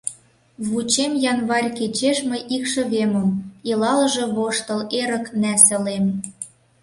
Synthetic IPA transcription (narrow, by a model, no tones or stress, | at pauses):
βut͡ɕemjɑnβɑrʲket͡ɕeʃmɤjʔikʃə̆βemə̆milɑlə̆ʒɤ̆βoʃt̪ɤ̆leɾə̆knæsə̆lem